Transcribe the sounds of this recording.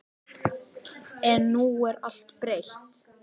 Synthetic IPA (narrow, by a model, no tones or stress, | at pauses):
ɛnːuɛɾa̰l̥t̪pɾejht̪